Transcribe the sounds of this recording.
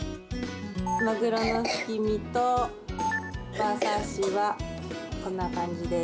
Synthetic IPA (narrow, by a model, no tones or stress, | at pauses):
maɡɯ̟ɾono̞çi̥kʲimʲit̪o | basãɕiβakõ̞nːakãɲ̟d͡ʑid̪e